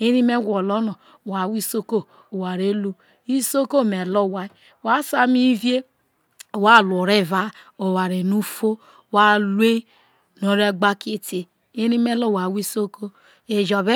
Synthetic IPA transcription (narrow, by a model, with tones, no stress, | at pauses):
e˦ɾi˦me˦ɡʷɔ˨lo˦no˨ | wa˨wi˦so˦ko˦˨ | wa˨ɾe˦lu˦ | i˦so˦ko˦˨me˨lo˦˨wa˦i˦ | wa˦sa˦mi˦vje˦˨ | wa˦˨lo˨ɾe˦˨va˦o˨wa˨ɾe˨nu˦fo˦ | wa˦lwe˦ | no˨ɾe˦ɡ͡ba˦ki˦ti˦ | e˦ɾi˦me˦lo˦˨wa˨wi˦so˦ko˦ | e˨d͡ʒɔ˨be˦